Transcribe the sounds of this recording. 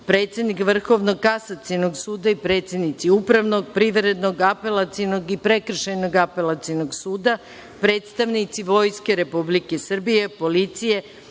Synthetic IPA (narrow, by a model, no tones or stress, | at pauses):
pɾe̞ːt̪sʲje̞d̪nikʋr̩xo̞ʋno̞kasat̪sino̞ɡsuːd̪aipɾe̞t̪sje̞d̪nit̪siupɾaʋnoɡpɾiʋɾe̞d̪no̞ɡape̞lat̪ino̞ɡipɾe̞kr̩ʃejno̞ɡape̞lˠat̪sino̞ɡsuːd̪a | pɾe̞ːt̪st̪aʋnit̪siʋo̞jske̞ɾe̞publike̞sr̩bije̞po̞lit̪sije̞